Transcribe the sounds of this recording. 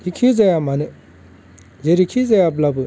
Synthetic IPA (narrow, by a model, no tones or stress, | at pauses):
jikʰizajamanɯ | zeɾikʰizajablabu